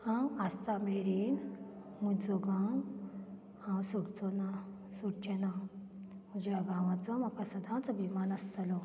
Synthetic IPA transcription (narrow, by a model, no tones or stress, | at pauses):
hãwast̪ameɾiːn | mud͡zoɡãŋɡ | hãwsuɽt͡sɔna | suɽt͡ɕena | məd͡ʑeaɡãʋãt͡sɔmapəsəd̪ʱãt͡sɔbimanəst̪əlɔ